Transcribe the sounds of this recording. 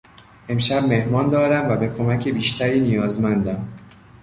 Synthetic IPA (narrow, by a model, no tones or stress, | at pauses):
ʔe̞mʃæb̚me̞hmɒːnd̪ɒːɾæmvæbe̞kʰomæcʰebiːʃt̪ʰæɾiːnijɒːzmænd̪æm